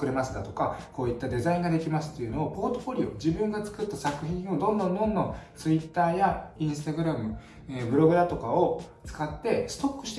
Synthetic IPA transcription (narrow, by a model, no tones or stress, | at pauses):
kɯɾemasɨ̥d̪at̪o̞kako̞ːit̪ːad̪e̞zaĩŋɡad̪e̞kʲimasɨ̥t̪ːo̞jɯ̟noːpo̞ːt̪o̞fo̞ɾʲio̞d͡ʑibɯ̟̃ŋɡat͡sɨ̥kɯ̟t̪ːasakɯ̟çĩɰ̃o̞d̪õnd̪õ̞nd̪õ̞nd̪õ̞t͡sɨit̪ːaːjaĩɰ̃sɨ̥t̪aɡɯ̟ɾamɯ̟ | ebɯ̟ɾo̞ɡɯ̟d̪at̪o̞kao̞ | t͡sɨ̥kat̪ːe̞sɨ̥t̪o̞kːɯ̟ɕi̥t̪e